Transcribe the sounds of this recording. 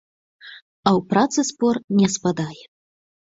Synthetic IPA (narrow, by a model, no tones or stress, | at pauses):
ɐwpɾat̪sɨspɔrnʲɛspad̪ajɛ